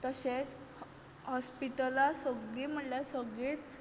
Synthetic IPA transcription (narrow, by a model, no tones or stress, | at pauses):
t̪əɕet͡s | hɔspiʈəlasəɡɭiːm̤əʈlasəɡɭit͡s